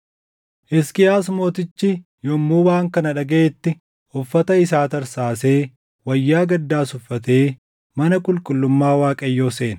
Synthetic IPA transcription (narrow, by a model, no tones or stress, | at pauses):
ʔɪskɪjaːsmo̞ːt̪ɪt͡ʃːɪ | jɔmːuːwaːŋkɐnɐᶑɐɡɐeːt̪ːɪ | ɔfːɐt̪ɐɪsaːt̪ɐɾsaːse̞ː | wɐjːaːɡɐd̪ːaːsʊfːɐt̪e̞ː | mɐnɐkʼʊlkʼʊlːʊmːaːwaːkʼɐjːoːse̞ːnɐ